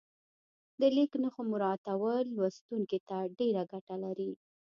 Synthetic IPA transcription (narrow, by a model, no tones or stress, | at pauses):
d̪əliknaxomʊɾɑt̪awəlwast̪uŋket̪aɖeɾaɡaʈalaɾi